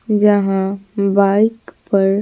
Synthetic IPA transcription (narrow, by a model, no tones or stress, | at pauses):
d͡ʒɐɦãbaːɪkpɐɾ